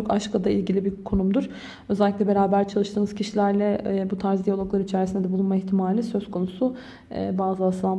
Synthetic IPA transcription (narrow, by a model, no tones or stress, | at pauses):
okaʃkʰad̪aḭlʲɟilʲibiɾkʰonumd̪uɾ̥ | øzɛlʲːicʲlʲɛbe̞ɾaːbæɾt͡ʃʰalˠɯʃt̪ʰɯːnɯzcʰiʃilʲæɾlʲɛbut̪ʰaɾzd̪ijalˠo̞klˠaɾɯit͡ʃʰɛɾisind̪ɛd̪ɛblˠunmaiçt̪ʰimaːlʲisø̞z̥kʰo̞nusu | ɛ̰baːzɯasɯlˠa